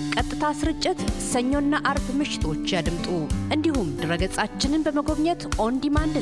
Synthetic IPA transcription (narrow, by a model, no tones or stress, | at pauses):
kʼət̪ʼːɨt̪ʰasɨɾɨt͡ʃʼːɪt̪səɲːo̞nːaʔaɾbmɨʃɪ̥t̪ʰo̞t͡ʃːjad̪ɨmt̪ʼuʔɨnd̪ihumd̪ɨɾəɡət͡sʼat͡ʃːɪnɨnbəməɡo̞βɲət̪ʔond̪imand̪ɨ